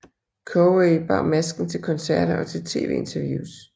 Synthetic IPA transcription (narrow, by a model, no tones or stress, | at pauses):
kʰoeɪb̥ɑ̰̈mæsɡ̥n̩t͡sʰe̝lkʰɒ̽nsæɐ̰ɾ̥ɐʔɒ̽t͡sʰe̝lt͡sʰe̝̰ːʋe̝̰ːe̝nt͡sʰɐʋjṵːs